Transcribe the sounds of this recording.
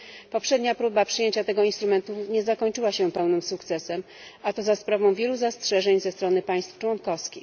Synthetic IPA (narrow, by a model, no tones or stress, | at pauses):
pɔpʂɛd̪ɲapɾubapʂɘjeɲt͡ɕat̪ɛɡɔinst̪ɾumɛnt̪uɲɛzakɔɲt͡ʂɘwaɕɛpɛwnɘmsukt̪sɛsɛm | ʔat̪ɔzaspɾavɔ̃w̃vʲjɛluzastʂɛʐɛɲzɛst̪ɾɔnɘpaj̃st̪ft͡ʂwɔnkɔfskʲix